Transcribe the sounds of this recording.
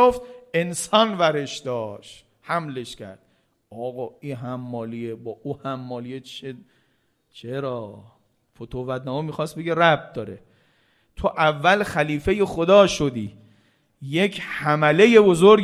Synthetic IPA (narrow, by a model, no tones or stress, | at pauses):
oft̪e̞nsɒːnvæɾeʃd̪ɒːʃ | hæmle̞ʃcʲʰæ̰ɾd̪̥ | ɒːɣɒːiːɦæmːɒːliebɒːʔuhæmːɒːliet͡ʃʰe | t͡ʃʰeɾɒː | fot̪ʰovæd̪næːmɒmixɒːst̪̚be̞ɡeræb̚t̪̚d̪ɒːɾḛ | t̪ʰoʔævːælxæliːfe̞je̞xo̞d̪ɒːʃod̪iː | je̞cʰhæmæle̞je̞bo̞zoɾ